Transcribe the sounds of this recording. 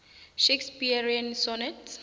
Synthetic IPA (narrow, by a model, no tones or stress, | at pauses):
ʃekspiaɹiãnsɔnɛt